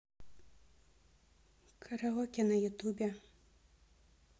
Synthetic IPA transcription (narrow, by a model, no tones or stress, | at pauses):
kʰɐɾɐɦɔːkʲɛnɐjʊt̪uːbʲɛ